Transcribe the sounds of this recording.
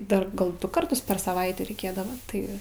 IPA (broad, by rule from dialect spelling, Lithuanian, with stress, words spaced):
ˈdɐr ˈɡɐlˠ ˈdʊ kɐrˈtʊs pʲɛr sɐˈʋɐɪtʲeː rʲɛɪˈkʲeːdɐʋɐ ˈtɐɪ